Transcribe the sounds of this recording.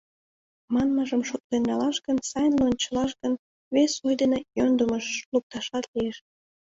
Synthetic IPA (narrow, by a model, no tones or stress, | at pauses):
mɑnməʒəmʃot̪̚lenːɑlɑʃɡənsɑjnleonʲt͡ɕəlɑʃɡən | βesujd̪enejond̪əməʃluk̚t̪ɑʃɑt̪lieʃ